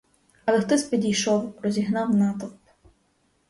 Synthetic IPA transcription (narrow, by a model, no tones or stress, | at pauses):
ɐlˠɛxt̪ɔsʲpʲidʲijʃɔwɾɔzʲiɦnɑwnɑt̪ɔp